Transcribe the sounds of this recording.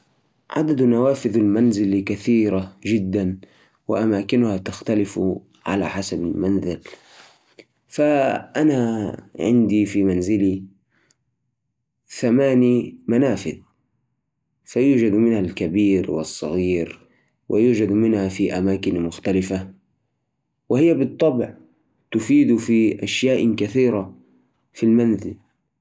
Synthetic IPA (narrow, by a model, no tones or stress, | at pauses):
ʕa̰d̪ad̪nawaːfɪðalmanzɪlkaθiːɾaʒɪd̪ːan | wɪ̰ʔamaːkɪnʊhat̪axt̪alɪf | ʕa̰la̰ħasabalmanzɪl | faʔanaʕɪ̰nd̪ifimanzɪli | θamaːnimanaːfɪ̰l | fajuːd͡ʒad̪mɪnhalkabiːɾwɪ̰sˤːɑ̰ɣiːɾ | wʔɪ̰juːd͡ʒad̪mɪnhafiʔamaːkɪnmʊxt̪alɪfa | wɪhɪjːabɨt̪ˤːɑbʕ | t̪ʊfiːd̪ufiʔaʃjaːʔkaθiːɾa | filmanzɪ̰l